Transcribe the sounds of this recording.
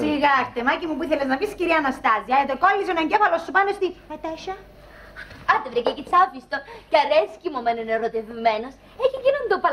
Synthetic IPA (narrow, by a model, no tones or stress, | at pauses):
siɣɐɾt̪emɐcimupuiθeleznɐmisciɾiɐnɐst̪ɐziɐet̪ekolːiseneɲɟefɐlosːupɐnost̪iet̪eʃɐ | ɐt̪evɾicecit͡sɐvist̪ocɐɾescimomeneneɾot̪evmenos | eçicinond̪opɐ